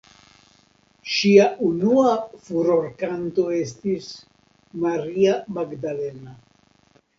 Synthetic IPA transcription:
ʃiaunuafuɾo̞ɾkanto̞e̞stis | maɾiamaɡdale̞na

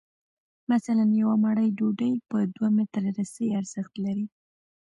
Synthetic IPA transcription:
masalanjawamaɽəjɖoɖəjpəd̪wamet̪ɾɾasəjaɾz̥ɪxt̪laɾi

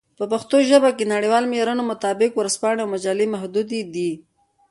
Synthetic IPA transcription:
pəpaxt̪oʒəbakenaɽiwɑlmeɾanomʊt̪ɑbɪkwɾaspɑɳeawmad͡ʒɑlemahd̪ud̪id̪i

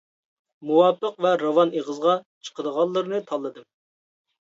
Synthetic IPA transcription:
muwɑːpəqvɛɾɑwɑneʁəzʁɑt͡ʃʰə̥qəd̪əʁɑlˠːɨɾnɨt̪ʰɑlˠːɨd̪ɨm

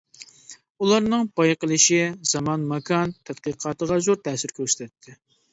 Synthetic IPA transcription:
ulˠɑɾnɨŋbɑjqəlˠɨʃɪzɑmɑnmɑkʰɑnt̪ʰæd̪̚qəqʰɑːt̪əʁɑzuɾt̪ʰɛːsɪɾkʲʰøɾst̪ɛt̪ʰːɪ

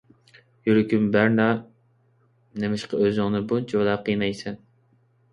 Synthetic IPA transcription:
jyɾɪkʲymbæɾnɑ | nemɪʃqɑøzɨŋnɨbunt͡ʃʰowd̪ɑqʰijnɑjsɛn

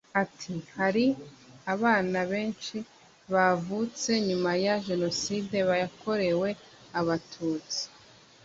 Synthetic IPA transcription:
atʰihaɾiaβaːnaβe̞ːnʃi | βavut͡se̞ɲumajaʒe̞no̞siːde̞βajakʰo̞ɾe̞we̞ | aβatʰuːt͡si̥

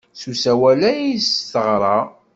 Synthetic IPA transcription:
susæwælæjisθəʁɾˤɑ

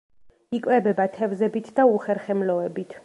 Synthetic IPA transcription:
ikʼwɛbɛbat̪ʰɛvzɛbit̪ʰd̪auχɛɾχɛmlɔɛbit̪ʰ

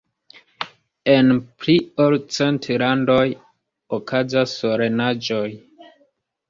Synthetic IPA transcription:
e̞npliolt͡se̞ntlando̞j | okʰazasoɾe̞nad͡ʒo̞j

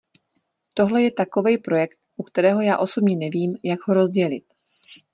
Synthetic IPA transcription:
t̪o̞ɦlɛjɛt̪ako̞vɛjpɾo̞jɛkt̪ʔukt̪ɛɾɛːɦo̞jaːʔo̞so̞bɲɛnɛviːmjaɡɦoɾo̞zɟɛlɪ̰t̪̚

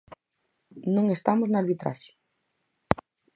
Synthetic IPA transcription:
nõŋest̪amoznaaɾβit̪ɾa̰ʃjo̥

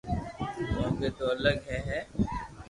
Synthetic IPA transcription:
mɔ̃ːket̪oɐləɡɦɛɦɛː

